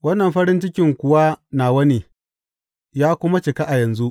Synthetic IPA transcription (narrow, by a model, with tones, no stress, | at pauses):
wɐ˦nːɐ˨mɸɐ˦ɾɪ˦nt͡ʃɪ˦kʲɪ˨ŋkʷʊ˨wa˦naː˨wɐ˦niː˨ | jaː˦kʷʊ˦ma˦t͡ʃɪ˨ka˦ʔa˨jɐ˨nzu˦ʔ